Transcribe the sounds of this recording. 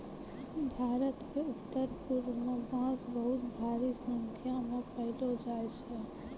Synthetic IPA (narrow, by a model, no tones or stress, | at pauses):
bʱaːɾət̪keʊt̪ːəɾpʊɾmẽbãːt͡ʃbəɦʊt̪bʱaːɾisə̃ŋkʰjamẽpəɦɪlod͡ʒaːɪt͡ʃɛ